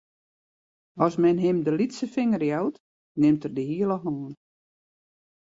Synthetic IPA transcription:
ɔsmɛnɦɪmdəlitsəfɪŋərjawt | nɪmtərdəhiəlˠɔɦnoːən

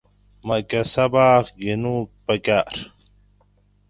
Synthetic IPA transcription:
mɐkɐsɐbaːxɡinupɐkaːɾ

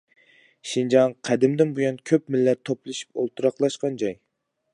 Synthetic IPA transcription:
ʃind͡ʒɑŋqʰæd̪ɪmd̪ɪnbujɑnkʲʰøpmɪlːɛt̪ʰːoplˠɨʃi̥po̰lˠt̪ʰuɾɑqlˠɑʃqɑnd͡ʒɑj

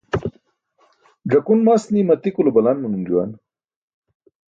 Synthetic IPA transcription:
ɖ͡ʐɐkunmasnimɐt̪ikulubɐlanmunund͡ʑuwa̰n

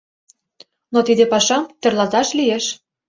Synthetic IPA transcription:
not̪id̪epɑʃɑmt̪ĕrlɑzɑʃlijeʃ

